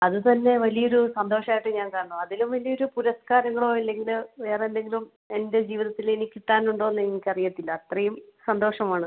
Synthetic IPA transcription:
ɐðɨt̪ɐnːe̞ʋɐlijɐoɾusɐnd̪o̞ːʂɐaːjiʈːɨɲaːnkaːɳɐɳːuɐðilumʋɐlijo̞ɾupuɾɐskaːɾɐŋːɐɭo̞ːilːe̞ŋɡilʋe̞ːrende̞ŋɡilum | e̞nde̞d͡ʑiːʋiðɐt̪ːilenikʲːiʈːaːnuɳɖo̞ːenːɨnikʲːɐrijɐt̪ːilːɐːt̪rɐjumsɐnd̪o̞ːʂɐmaːɳɨ

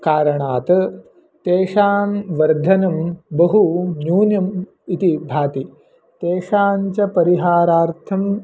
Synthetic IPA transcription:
kaːɾɐɳaːt̪ɐ | t̪eːʂaːnʋɐɾd̪ʱɐnɐmbɐɦunjuːnjɐm | it̪ibʱaːt̪i | t̪eːʂaːɲt͡ʃɐpɐɾiɦaːɾaːɾt̪ʰɐm

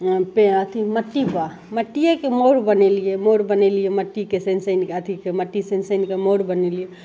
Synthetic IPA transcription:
pẽət̪ʰiməʈːiba | məʈːijekemoɾbənelijemoɾbənelijeməʈːikesensəɪnkeət̪ʰikeməʈːisensəɪnkemoɾbənelie

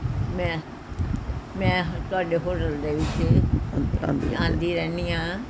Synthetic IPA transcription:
mɛ̃ | mɛ̃ːt̪ʊaːɖeɦoːʈəlɾeut͡ʃʰḛ̃ː | d̪iãːnd̪ʱiɾɛːniãː

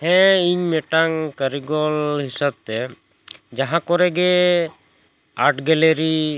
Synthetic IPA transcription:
hɛ̃iɲmɛʈaŋkəɾiɡɔlɦisab̚t̪ɛ | d͡ʒaɦãkɔɾɛɡɛ | aʈɡɛleɾi

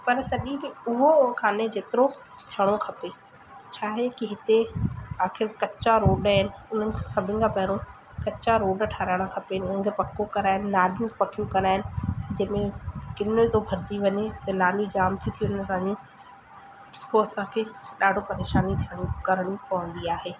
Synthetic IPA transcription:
pɐɾt̪ɐɗĩbɪʊɦokʰaːned͡ʑeːt̪ɪɾo | t̪ʰijəɽ̃okʰɐpe | t͡ɕʰaːɦekiɦɪt̪eaːxɪɾkɐt͡ɕaɾoːɖaɦɪnɪ̆ʊn̤ənɪ̆kʰãsɐbʱɪnɪ̆kʰãpɐɦɪɾõ | kɐt͡ɕaɾoːɖʈʰaːɾaːɪɽ̃ãkʰɐpeɦɪnɪʊnən̆kʰepɐkokɐɾaːɦɪnɪ̆naːljũpɐkʰijũkɐɾaːɦɪnɪ̆d͡ʑɐ̃ːmẽkɪnot̪obʱɐɾd͡ʑiʋɐɲet̪ɐnaːljũd͡ʑaːmt̪ʰit̪ʰijuʊnənɪ̆sãɲĩ | poɐsãkʰeːɗaːɖʱopɐɾeːʃaːnit̪ʰijəɽ̃ĩkɐɾəɽ̃ipɐʋə̃nd̪iaːɦeː

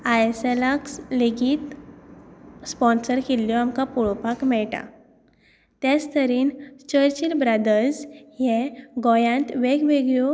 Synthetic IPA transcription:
ajsɛlaksleɡit̪ | spɔnsəɾkeljɔamkapuɭɔpakmɛɭʈa̰ | t̪jad͡zt̪ʰəɾiːnt͡ɕəɾt͡ɕilbɾad̪əɾsjɛɡɔjãɳt̪ʋeɡʋeɡjɔ

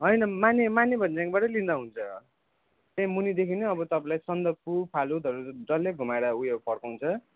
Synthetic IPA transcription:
ɦʌjnʌmanemanebʱʌnd͡zaŋbaʈʌlind̪aɦunt͡sʰʌ | t̪emunid̪ekʰineʌbʌt̪ʌpãlajsʌnd̪ʌpupʰalud̪ʱʌɾud͡zʌlːeɡʱumaeɽaujepʰʌrkaw̃nt͡sʰʌ

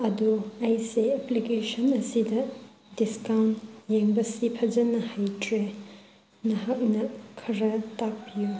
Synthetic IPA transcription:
ɐduajseɐplikesɐnɐsidɐ | diskawntjeŋbɐsipʰɐd͡ʒɐnɐhajtɾe | nɐɦak̚nɐkʰɐɾɐtak̚piju

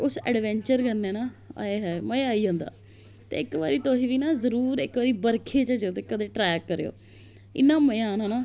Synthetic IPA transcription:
ʊsɛ̰ːɖʋɛ̃ːɲt͡ʃəɾkəɾneːnaːa̰ːeːɦɛːmə̃aːiːõːnd̪a̰ː | t̪ḛːɪkʋa̰ːɾiːt̪oɦĩːʋiːnaːzəɾuːɾɪkaːɾiːbəɾkʰeːt͡ʃəd͡ʒət̪eːkəd̪eːʈɾɛːkːəɾeːo̰ː | ɪ̰nːãːməãːnonaː

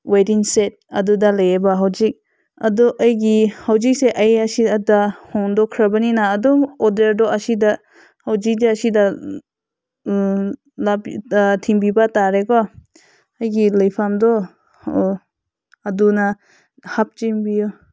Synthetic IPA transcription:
wediŋset̚ɐdudalajebaɦawzik̚ | ɐdɔʔəjɡihawzik̚seʔəjasidahɔndɔkʰɾabaninaːdɔɔdeɾdɔʔɐsida | hawd͡ʒik̚daːsida | labtʰimbibataɾekɔ | əjɡilajpʰamdɔ | aduna | hap̚t͡ʃimbijɔ

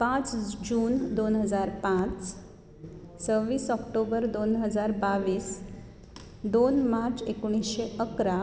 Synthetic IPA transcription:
pãt͡sd͡ʑuːnd̪onɦəd͡zaɾpãt͡s | t͡səʋiːsɔkʈobəɾd̪onɦəd͡zaɾbaʋiːs | d̪onmaɾt͡sekuɽ̃isɕeəkɾa

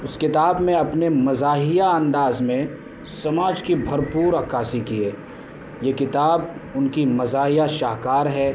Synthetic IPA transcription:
ʊskɪt̪aːbmẽɐpnemɐzaːɦijaɐ̃nd̪aːzmẽ | sɐmaːd͡ʒkibʱɐɾpuːɾɐkaːsikieː | jekɪt̪aːbʊnkimɐzaːɦijaʃaːkaːɾɦɛː

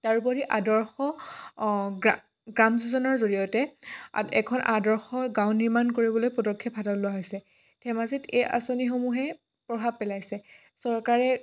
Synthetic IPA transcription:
taɹupɔɹiʔadɔɹxɔ | ɡa | ɡɹamzuzɔnɔɹzoɹijɔtɛ | ɛkʰɔnʔadɔɹxɔɡãw̃niɹmankoɹibɔlojpɔdɔkʰːjɔpadɔlːʊaɦojsɛ | tʰɛmaziteja̰sonixomuɦɛ | pɹɔbʱab̚pɛlajsɛ | sɔɹkaɹɛ

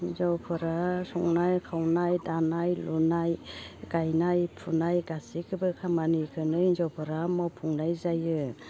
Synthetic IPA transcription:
zɔpʰɯɾasɔŋnajkʰawnajdanajlunajɡajnajpʰunajɡasikʰɯbɯkʰamanikʰɯnɯinzɔpʰɯɾamɔpʰuŋnajzajɯ

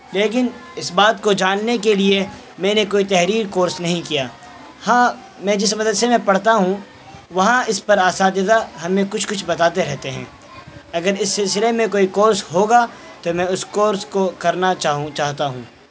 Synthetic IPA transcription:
leːk̬ɪnɪsbaːt̪kod͡ʒaːnːekelie | mɛ̃ːnekoːit̪ɛɦɾiːɾkoːɾsnɐɦĩkijaː | hãː | mɛ̃d͡ʒɪs̬mɐd̪əd̪semɛ̃pɐɽ̤t̪aɦũ | ʋɐɦãɪspɐɾaːsaːt̪ɪd̪aɦɐmẽkʊt͡ʃʰkʊt͡ʃʰbɐt̪aːt̪eɾɛɦt̪eɦɛ̰̃ː | ɐɡəɾɪsːɪlsɪlemẽkoːikoːɾsɦoːɡa | t̪omɛ̃ʊskoːɾskokɐɾnat͡ʃaɦut͡ʃaːɦt̪aɦũː

